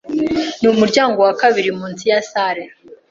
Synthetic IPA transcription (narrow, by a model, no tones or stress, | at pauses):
numuɾɟaːŋɡo̞wakaβiɾimuːnsijasaɾe